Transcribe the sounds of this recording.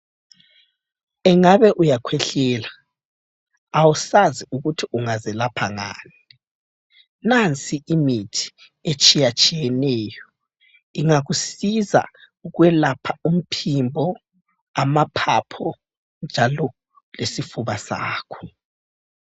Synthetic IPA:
ɛŋaβɛʔujakʰwɛɬɛːla | awusaziuɣutʰiʔuŋazɛlapʰaŋa̰ːni | nant͡sʼiʔimitʰi̥ | et͡ʃʼijat͡ʃʼijɛnɛːjɔ | iŋaɣusiza̰ | uɣwɛlapʰaum̩pʰimbʱɔ | amapʰapʰɔ | nd͡ʒʱalɔ | lesifuβasa̰ːkʰɔ̥

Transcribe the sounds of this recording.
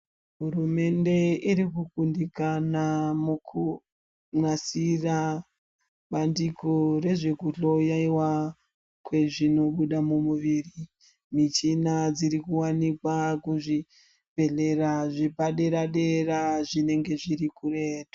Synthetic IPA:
ɦurume̞nde̞iɾikukundikanamukʰu | mwasira | ɓandikore̞ʐekuɬo̞jaiwa | kwe̞ʐino̞ɓuɗamumuʋiri | mit͡ʃinad͡ziɾikuwanikwakuʐi | be̞ɮe̞raʐipaɗeɾaɗe̞raʐine̞ŋɡe̞ʐiɾikureːtḁ

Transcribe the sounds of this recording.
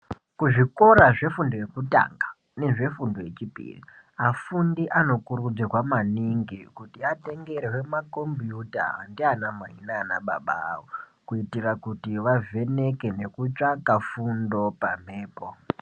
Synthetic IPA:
kuʐiko̞ɾaʐe̞fundo̞je̞kuta̰ːŋɡa | ne̞ʐe̞fundo̞je̞t͡ʃipḭrḭ | afundiʔano̞kuɾud͡zirwamaniŋɡikutiate̞ŋɡe̞ɾewe̞mako̞mbjuta̰ɦa̰ndianama̰inana̰ɓa̰ɓa̰wo | kuitirakutiʋave̞ne̞ke̞ne̞kut͡ʂakafundo̞pam̤eːpo

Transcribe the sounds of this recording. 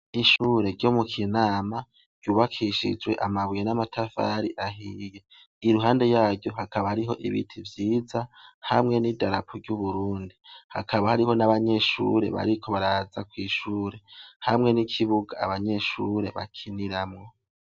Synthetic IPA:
iʃuːɾe̞ɾɟomukʰinaːma | ɟ̥uːβakʰiʃḭd͡ʒwe̞̰ʔamaβujenamatʰafa̰ɾiʔaɦije̞ | iɾuɦaːnde̞jaːɾɟo̞hakʰaβahaɾiɦo̞ʔiβḭtʰivjiːzahamŋe̞nidaɾapʰoɾɟuβuɾuːndiha̰kʰaβahaɾiho̞naβaɲe̞ʃṵɾe̞̰βa̰ɾikʰo̞βaɾazakwiːʃuːɾe̞hamŋe̞nikʰiβuɡaːβaɲe̞ʃuɾe̞βa̰kʰiniɾamŋo̞

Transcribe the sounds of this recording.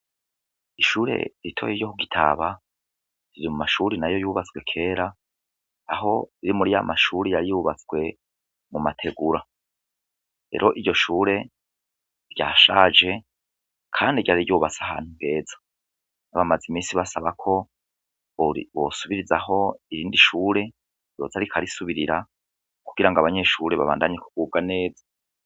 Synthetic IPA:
iʃuːɾe̞̰ɾitʰojiɾjokuɡitʰa̰βa | ɾiɾimumaʃuɾinajo̞juːβat͡swe̞kʰe̞ːɾaː | ɦo̞iɾimuɾija̰maʃuːɾijaɾijuːβat͡sɡwe̞ | mumatʰe̞ɡuɾa | ɾe̞̰ɾʔo̞ʔiɾɟo̞ʃuːɾe̞ | ɾɟaːʃaːd͡ʒe̞ | kʰaːndiɟaɾiɟuːβat͡saha̰ːn̥huŋɡe̞ːzḁ | naβamazimiːnsiβasaβakʰo̞ | βo̰suβiɾizaɦo̞iɾiːndiʃuːɾe̞ | jo̞zaɾikʰaɾisuβiɾiɾa | kuɡ̥iɾaŋɡaβaɲe̞ʃuɾe̞βa̰βa̰ːndaɲeku̥ɡ̥ub̚ɡane̞ːza

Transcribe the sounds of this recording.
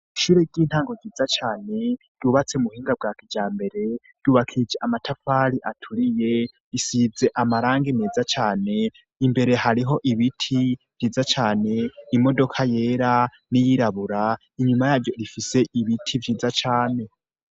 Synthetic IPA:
iʃuɾeɟiːn̥haːŋɡo̞ɡiːzat͡ʃaːne̞ | d̥uβat͡se̞muhiːŋɡab̚ɡakid͡ʒaːmbe̞ɾe̞ | d̥uβakʰid͡ʒeʔamatʰafaɾiʔatʰuɾije̞ | isize̞ʔamaɾaːŋɡine̞ːzat͡ʃaːne̞ | imbe̞ɾe̞haɾiɦo̞ʔiβitʰiv̥jiːzat͡ʃaːne̞imo̞do̞kʰaje̞ːɾa | nijiɾaβuɾa | iɲumajaːɾɟo̞ɾifise̞ʔiβitʰivjiːzat͡ʃaːne̞

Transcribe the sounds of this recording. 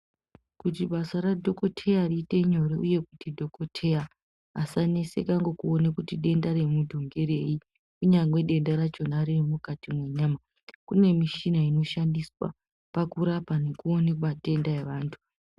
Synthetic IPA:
kutiɓasaradʱo̞ko̞tʰe̞jariːte̞ɲo̞ɾeʔuje̞kutidʱo̞ko̞tʰe̞a | asane̞sḛkaŋɡokuonekutiɗe̞ndaɾe̞mudʱoŋɡe̞ɾe̞i | kuɲaŋɡwe̞ɗe̞ndaɾat͡ʃo̞naɾermukatimwe̞ɲaːma | kune̞miʃinaino̞ʃandiswa̰ | pakuɾapane̞kuo̞nekumate̞ndae̞ʋaːntʰu̥

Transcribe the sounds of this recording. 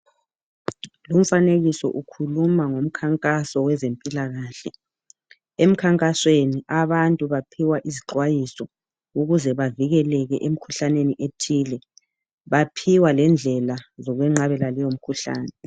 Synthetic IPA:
lum̩faneɣisɔ̰ʔukʰulumaŋom̩kʰaŋkʼasɔwɛzempʼilaɣaːɬɛ | em̩kʰaŋkʼasweniʔaβantʼuβapʰiwaʔiziǁwajisɔ | uɣuzɛβaviɣɛlɛɣɛʔem̩kʰuɬaneniʔetʰiːlɛ | βapʰiwalɛnd͡ɮʱɛlazɔɣwɛŋ͡ǁaβɛlalɛjom̩kʰuɬa̰ːnɛ

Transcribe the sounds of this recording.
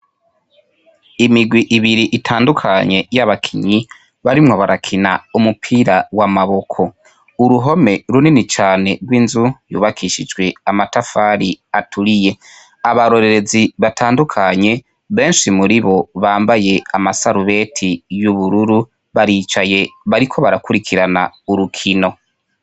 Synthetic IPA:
imiɡwiʔiβiɾiʔitʰaːndukʰaɲe̞jaβakʰiɲi | βaɾimŋo̞βaɾakʰina̰umupʰiːɾawamaβo̞kʰo̞ | uɾuɦo̞me̞ɾuninit͡ʃaːne̞ɡɡwiːnzujṵːβakʰiʃid͡ʒɡwe̞amatafaɾiatʰuɾije̞ | aβaɾo̞ɾe̞ɾe̞ziβatʰaːndukʰaɲe̞ | βe̞ːnʃimuɾiβo̞βaːmbaje̞amasaɾuβe̞tʰijuβuɾuɾu | βaɾiːt͡ʃaje̞βaɾikʰo̞βaɾakuɾikʰiɾana̰uɾukʰino̞

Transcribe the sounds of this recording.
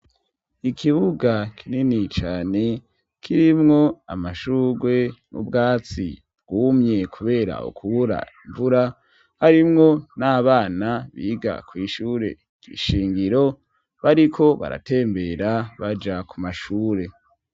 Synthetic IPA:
ikʰiβuɡakʰininit͡ʃaːne̞ | kʰiɾimŋo̞a̰maʃuɡwe̞nṵbɡaːt͡sḭ | bɡ̥uːmɲe̞kʰuβe̞ːɾa̰ṵkʰuβuɾa̰iɱvuɾa | haɾimŋo̞naːβaːnaβiɡa̰kwiːʃuːɾe̞̰ | kḭʃiːŋɡiɾo̞ | βaɾikʰo̞βa̰ɾa̰te̞ːmbe̞ɾaβad͡ʒakumaʃuːɾe̞

